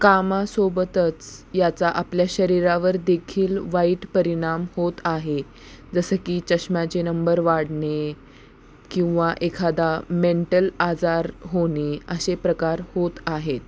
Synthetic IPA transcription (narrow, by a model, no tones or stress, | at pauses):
kamasobət̪ət͡sjat͡saʔapljaɕəɾiɾaʋəɾd̪ekʰiːlʋaiʈpəɾiɽ̃amhot̪aɦe | d͡zəsəkiːt͡ɕəɕmjat͡ɕenəmbəɾʋaɽɳe | kĩw̃ʋaʔekʰad̪ameɳʈəlad͡zaɾɦoneəsepɾəkaɾhot̪aɦet̪